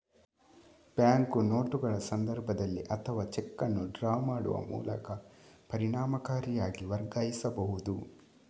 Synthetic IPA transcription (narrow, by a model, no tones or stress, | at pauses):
pjaːŋkuno̞ːʈuɡɐɭɐsɐnd̪ɐɾbʱɐd̪ɐlːiʔɐt̪ʰɐʋaːt͡ʃɛkːɐnːuɖɾaːmaːɽṵʋɐ̰mṵːlɐ̰kɐpɐɾiɳaːmɐkaːɾijaːɡiʋɐɾɡaːjisɐbɐɦud̪u